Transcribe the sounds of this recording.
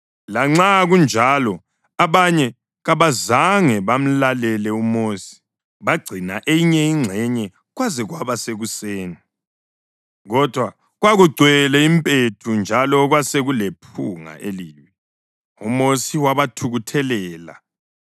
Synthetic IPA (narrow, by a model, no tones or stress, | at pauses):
laŋ͡ǁaɣund͡ʒʱalɔ | aβaɲɛ | ɣaβazaŋɛβam̩lalɛlɛumoːsi̥ | βaɡ͡ǀʱinaʔejiɲɛiŋ͡ǀʱɛɲɛ | ɣwazɛɣwaβaseɣuseːni | ɣɔd̥ʱwa | ɣwaɣuɡ͡ǀʱwɛlɛimpʼetʰund͡ʒʱalɔɣwaseɣulepʰuŋa̰ʔeliːwɛ | umosiwaβatʰuɣutʰɛlɛːla̰